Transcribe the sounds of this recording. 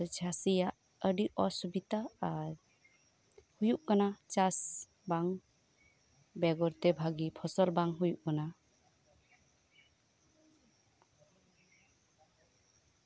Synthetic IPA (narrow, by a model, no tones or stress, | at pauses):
ɔd͡ʒʰʱasijaʔ | əɖiʔɔsubit̪a | hujuʔkanat͡ʃas | baŋ | bɛɡɔɾt̪ɛbʱaɡipʰɔsɔlbaŋɦujuʔkana